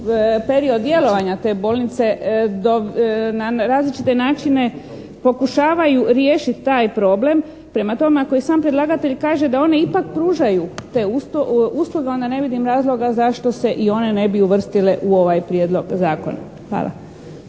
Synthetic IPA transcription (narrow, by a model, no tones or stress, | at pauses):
peɾio̞d̪d̪ːje̞lo̞ʋaɲat̪e̞bo̞ːlnit̪se̞d̪onaɾaːzlit͡ʃit̪e̞naːt͡ʃine̞ | po̞kuʃaːʋajuɾjeːʃit̪ːaːjpɾo̞ble̞m | pɾe̞mat̪o̞meakoisaːmpɾjed̪lˠaːɡat̪e̞ʎkaːʒe̞d̪ao̞ne̞ipakpɾuːʒajut̪e̞usuːsluɡe̞o̞nd̪ane̞ʋid̪imɾaːzlˠo̞ɡazaʃt̪o̞se̞ʔio̞ne̞ne̞biuʋr̩st̪ile̞ʔuo̞ʋajpɾjeːd̪lˠo̞ɡzaːko̞̰na̰ | xʋa̰ːlʔa̰